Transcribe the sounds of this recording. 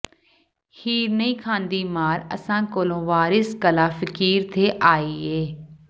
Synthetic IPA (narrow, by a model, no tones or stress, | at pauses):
hiːɾnəĩːkʰãːnd̪iːmaːɾə̰sãːkoːlõːʋaːɾɪskəlaːfʰɪkiːɾt̪ʰeːʔaːiːeː